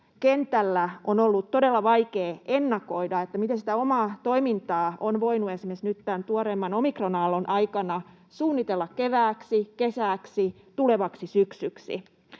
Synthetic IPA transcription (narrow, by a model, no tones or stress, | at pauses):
kent̪ælːæonolːut̪todelːɑʋɑikeːenːɑkoidɑet̪ːæmit̪ensit̪æomɑːt̪o̞imint̪ɑːʔonʋoinuesimesnyt̪t̪ænt̪uoɾemːɑnomikronɑːlːonʔɑikɑnɑ | suːnːit̪elːɑkkeʋæːksikesæːksi | t̪uleʋɑksisyksyksḭ